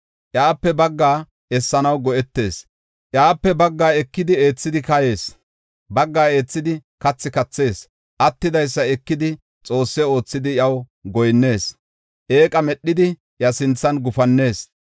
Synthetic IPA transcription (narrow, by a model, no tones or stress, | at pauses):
ʔjaːpːɛbɐɡːaː | ɛsːɐnɐwɡɔʔɛt̪ːe̞ːs | ʔjaːpːɛbɐɡːaːɛkːɪd̪ɪe̞ːt͡sːɪd̪ɪkɐje̞ːs | bɐɡːaːe̞ːt͡sːɪd̪ɪ | kɐt͡sːɪkɐt͡sːe̞ːs | ʔɐt̪ːɪd̪ɐjs̬ːɐɛkːɪd̪ɪ | t͡sʼo̞ːsːɛo̞ːt͡sːɪd̪ɪjɐw | ɡɔjnːe̞ːs | ʔe̞ːkʼɐmɛɗːɪd̪ɪ | jɐsɪnt͡sːɐnɡʊfɐnːe̞ːs